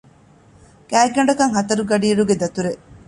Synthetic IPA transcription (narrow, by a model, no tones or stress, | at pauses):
kæːɡɐɳɖɐkɐŋɦɐt̪ɐɾuɡɐɖiːɾuɡed̪ɐt̪uɾeʔ